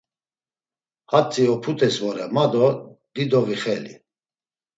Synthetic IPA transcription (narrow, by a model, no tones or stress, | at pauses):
hat͡sʼiɔpʰut̪ʰʼɛsvɔɾɛmad̪ɔd̪̥id̪ɔviχɛlḭ